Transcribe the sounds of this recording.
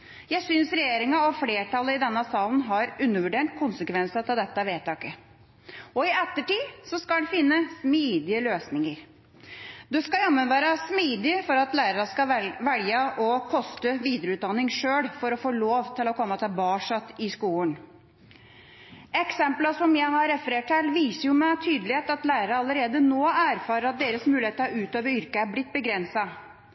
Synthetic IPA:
jæɪsʏnsɾɛjeːɾɪŋɑɔfleːʈɑləɪd̪ɛnːəsɑːlnɦɑɾʉnːəʋʉɖeːɳʈkʰʊnsəkʋɛnsət̪ʰɪld̪ɛt̪ːəʋeːt̪ɑːkə | ɔɪɛt̪ːəʈiːsɔskɑɛfɪnːəsmiːd̪ɪəløːsnɪŋəɾ | d̪ɛskɑjɛmːənʋæːɾəsmiːd̪ɪfɔɾɑt̪læːɾəɾəskɑʋɛljəʔɔkʰɔst̪əʋiːd̪ɾəʉːt̪̚d̪ɑnːɪŋʂøːɽfɔɾɔfoːloːʋt̪ʰɪlɔkʰɔmːət̪ʰɪlbɑːʂɑt̪ːɪskuːən | ɛksɛmpləsɔmjæɪhɑɾɛfəɾeːʈʰɛlʋiːsəɾjʊmɛt̪ʰyːd̪əlɪheːt̪ɑt̪læːɾəɾɑɑləɾeːd̪ənoːæːɾfɑːɾəɾɑt̪̚d̪eːɾəsmʉːlɪeːt̪əɾɑɾʉːt̪øːʋəɾʏɾkəæɾblɪt̪̚ːbəɡɾɛnsɑ

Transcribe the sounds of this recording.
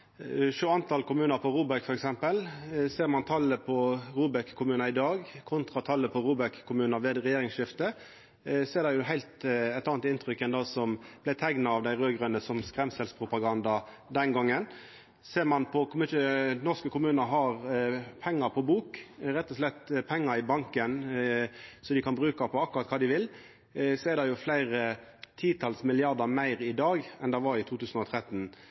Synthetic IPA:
ʃʉːɑnt̪ʰɑlkʰʊmʉːnəɾpʰɔɾuːbækfɔɾɛksɛmpəlseːʁmɑnt̪ʰɑlːəpʰɔɾuːbɛkkʰːʊmʉːnɑɪd̪ɑːɡkʰʊnt̪ʁɑt̪ʰɑlːəpʰɔɾuːbɛkkʰːʊmʉːnɑʋeːd̪ʁɛjeːɾɪŋsʃɪft̪ə | seːʁd̪æɪjʊɦæɪlt̪ɛt̪ːɑːnt̪ɪnt̪ɾʏkːɛnd̪ɑːsɔmb̥læɪt̪ʰæŋnɑɑʋd̪æɪɾøːɡʁʉnəsɔmskɾɛmsɛlspʰʁʊpɑɡɑnd̪ɑ | d̪ɛnɡɑŋːən | seːʁmɑnpʰɔkmʏənɔskəkʰʊmʉːnəɦɑʁpʰɛŋːəɾpʰɔbuːkɾɛt̪ːɔslɛt̪ːpʰɛŋːəɾɪbɑŋkən | sɔd̪ɪkʰɑnbʁʉːkɑpʰɔɑkːʊʁɑt̪kʰɑːd̪ɪʋɪl | sɔɛd̪ɛjʊflæɪʁət̪ʰiːt̪ʰɑlsmɪlɪɑɾd̪əɾmæɪʁɪd̪ɑːɡɛnd̪æɪʋɑɾɪt̪ʰuːt̪ʉːsnɔt̪ʰɾɛt̪ːn

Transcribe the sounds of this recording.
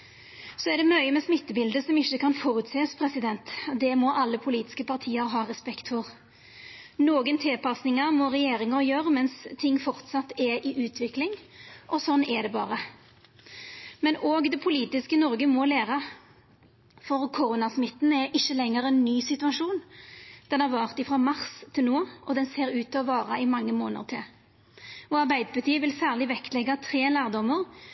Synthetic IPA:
sɔɛʁd̪ɛmœʏəmɛsmɪt̪ːəbɪld̪əsɔmɪçːəkʰɑnfoːʁʉt̪seːspʰɾɛsɪd̪ɛnt̪d̪ɛmɔʔɑlːəpʰʊliːt̪ɪ̥skəpʰɑʁt̪ʰiːəɾɦɑːɾɛspɛkt̪fɔʁ | noːɡənt̪ʰɪlpɑsnɪŋɑʁmɔʁɛjeːɾɪŋəɾjøːɾəmɛnst̪ʰɪŋːfɔʁt̪sɑt̪ːɛɾɪʔʉːt̪ʰʋɪklɪŋʔɔsɔnːɛd̪ɛbɑ̰ːɾə | mɛnoːɡd̪ɛpʰʊliːt̪ɪskənɔʁɡəmɔleːʁɑ | fɔʁkʰʊʁʊnɑsmɪt̪ːn̩ɛɾʔɪçːəlɛŋːəʁɛnːyːsɪt̪ʉɑʂuːnd̪̥ɛnæʁʋɑːʁt̪ɪfɾɑmɑʁst̪ʰɪlnoːʔɔd̪ɛnseːɾʉːt̪ʰːɔʋɑːʁɑɪmɑŋːəmoːnə̰ʁt̪ʰɪl | ɔɑʁbæɪd̪əpʰɑt̪ʰiːʋɪlsæːʁlɪʋɛkt̪lɛɡːɑt̪ʰʁeːlæːʁd̪ɔməʁ

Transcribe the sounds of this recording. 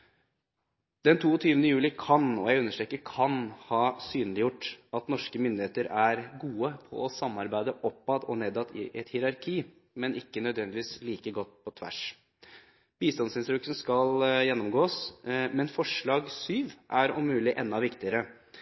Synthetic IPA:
d̪ɛnt̪ʰuːɔt̪ʰyːʋənəjʉːlɪkʰɑnɔ̰jæɪʉnəʂʈɾɛːkːəɾkʰɑnhɑːsyːnəlɪjʊʈːɑt̪nɔʂkəmʏnd̪ɪheːt̪əɾæɾɡuːəpʰɔ̰ɔsɑmːɑɾbæɪd̪əʔɔpːɑd̪ɔ̰neːd̪ɑt̪ɪ̰ʔɛt̪hɪɾɑɾkʰiː | mɛnʔɪkːənœd̪ʋɛnd̪ɪʋiːsliːkəɡɔt̪ːpʰɔt̪ʰʋæ̰ʂ | b̥iːst̪ɑnsɪnst̪ɾʉkːsən̩skɑljɛnːɔmɡoːsmɛnfɔʂɭɑːɡsyːʋʔæɾʊmːʉːlɪʔɛnːɑʋɪkt̪ɪəɾə

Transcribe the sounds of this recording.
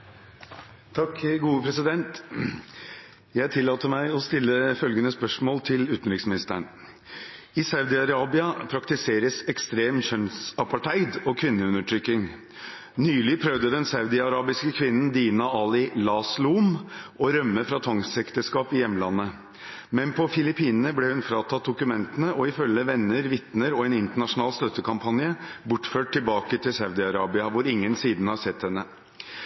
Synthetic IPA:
t̪ʰɑkɡuːəpʰɾɛsɪd̪ɛnt̪ | jæɪt̪ʰɪlːɑːt̪əmæɪɔst̪ɪlːəfœlɡənəspœʂmoːlt̪ʰɪlʉːt̪n̩ɾɪksmɪnɪst̪əɳ | ɪsɑʉd̪ɪɑɾɑːbɪɑpʰɾɑkt̪ɪseːɾəsɛkst̪ɾeːmçœnsɑpɑʈʰæɪd̪ɔkʰʋɪnːəʉnəʈʰɾʏkːɪŋ | nyːlɪpʰɾœʋd̪əd̪ɛnsɑʉd̪ɪɑɾɑːbɪskəkʰʋɪnːən̩d̪iːnɑɑːlɪlɑsluːmʔɔɾœmːəfɾɑt̪ʰɔŋsɛkt̪əskɑːpɪjɛmːəlɑnːə | mɛnpʰɔfɪlɪpiːnənəblɛhʉnfɾɑːt̪ʰɑt̪̚d̪ʊkʉmɛnt̪ənəʔɔɪfœlːəʋɛnːəɾʋɪt̪nəɾɔɛnɪnt̪əɳɑʂʊnɑːlst̪œt̪ːəkʰɑmpʰɑnjəbʊʈføːʈ̚tʰːɪlbɑːkət̪ʰɪlsɑʉd̪ɪɑɾɑːbɪɑʋʊɾɪŋːənsiːd̪nhɑʂɛt̪hɛnːə

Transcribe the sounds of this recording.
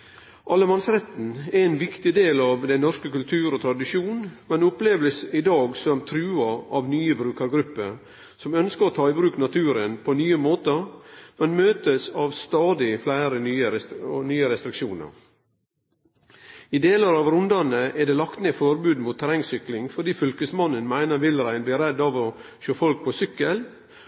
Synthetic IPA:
ʔɑlːəmɑnsɾɛt̪n̩ɛɾeːnʋɪkt̪ɪd̪eːlɑːʋd̪æɪnɔʂkəkʉlt̪ʰʉːɾoːt̪ʰɾɑd̪ɪʃjuːnmɛnʊpleːʋəlsɪd̪ɑːɡsɔmt̪ʰɾʉːɑɑʋnyːəbɾʉːkɑɾɡɾʉpːə | sɔmœnskəɾoːt̪ʰɑːɪbɾʉːknɑt̪ʰʉːɾənpʰonyːəmoːt̪əmɛnmøːt̪əsɑʋst̪ɑːd̪ɪflæɪɾənyːənyːəɾɛst̪ɾɪkʃuːnə̰ɾ | ɪd̪eːləɾɑʋɾʊnd̪ɑnəʔɛɖ̪eːlɑkt̪nəfɔɾbʉːd̪mʊːt̪ʰːæɾɛŋsʏklɪŋfɔɖiːfʏlkəsmɑnːənmæɪnəɾʋɪlɾæɪnbliːɾɛd̪ːɑʋɔ | ʃoːfɔlk̚pʰɔsʏkːəl

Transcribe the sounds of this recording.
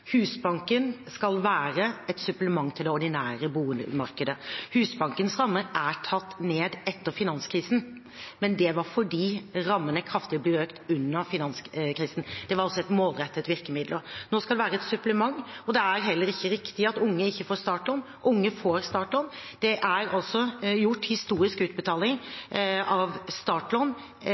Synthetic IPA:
hʉːsbɑŋkənskɑlʋæːɾəɛt̪sʉpləmɑŋːt̪ʰɪld̪ɛɔɖɪnæːɾəbuːənmɑɾkəd̪əhʉːsbɑŋkənsɾɑmːəɾæʈʰɑt̪ːneːd̪ɛt̪ːəɾfɪnɑnskʰɾiːsn̩ | mɛnd̪ɛʋɑɾfɔɖiːɾɑmːənəkʰɾɑft̪ɪblɪøːkt̪ʉnːəɾfɪnɑnskʰɾiːsən̩d̪̥ɛʋɑɾɔsɔɛt̪moːlɾɛt̪ːət̪ʋɪɾkəmɪd̪ləɾnoːskɑld̪ɛʋæːɾəɛt̪sʉplɛmɑŋːɔd̪ɛæɾɦɛlːəɾɪçːəɾɪkt̪ɪɑt̪ʊŋːəɪçːəfoːɾst̪ɑːʈlɔn | ʔʊŋːəfoːɾst̪ɑːʈlɔnd̪̥ɛʔæɾɑlsɔjʊʈːhɪst̪uːɾɪskʉːt̪̚bət̪ʰɑːlɪŋ | ɑʋst̪ɑːʈlɔn

